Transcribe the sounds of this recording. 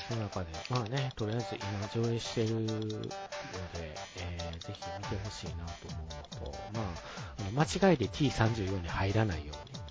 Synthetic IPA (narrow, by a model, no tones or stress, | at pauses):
sononakad̪e̞maːne̞t̪o̞ɾijaizɨʔimad͡ʑo̞ːe̞ɕi̥t̪e̞ɾɯ̟ | nod̪e̞eːze̞çimʲit̪e̞ɦo̞ɕiːnat̪o̞ːmo̞ɯ̟not̪o̞̰maːano̞mat͡ɕiɡait̪e̞t̪ʲʰiːsãɲ̟d͡ʑɨːjo̞ːɲ̟ihaiɾanaijo̞ːɲ̟i